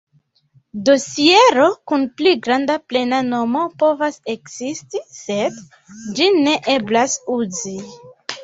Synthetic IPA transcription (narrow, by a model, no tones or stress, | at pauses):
do̞sie̞ɾo̞kunpliɡɾandaple̞nano̞mo̞po̞vase̞kz̥istise̞d | d͡ʒine̞ʔe̞blasuzi